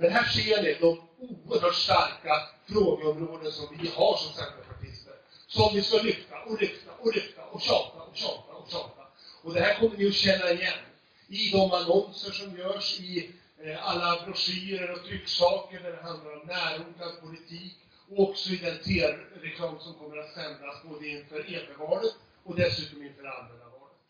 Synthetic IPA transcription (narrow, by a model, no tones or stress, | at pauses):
dɛnɦæːʂead̪ɛd̪ɔm | uːəɾɦœːʈʂʈaɾkafɾoːɡəɔmɾoːd̪ənsɔmvɪhaʂɔmsɛnd̪əpʰaʈʰɪst̪əɾ | sɔmvɪskalʏft̪aʔɔɾʏft̪aʔɔɾʏft̪aʔɔɕɑːt̪aɔɕɑːt̪aɔkɕɑːt̪a | ɔd̪ɛhæːɾkʰɔmːəɾvɪɔɕɛnːaɪjɛnː | ɪd̪ɔmanɔnsəʂɔmjœːʂɪ | alːabɾɔʂyːəɾəɾɔt̪ʰɾʏkːsɑːkəɖæɖɛɦand̪laɾɔmnæːɾʊŋɡ̪anpʰʊlɪt̪ʰiːk | ɔɔksɔɪd̪ɛnt̪ʰeːɾɾɛkʰlɑːmsɔmkʰɔmːəɾat̪sɛmd̪ɾasboːd̪əɪnfœɾeːɡ̪avɑːlət̪ | ɔd̪ɛsʉ̟ːt̪ɔmɪnfœːɾa̰nmɛnabɑːlət̪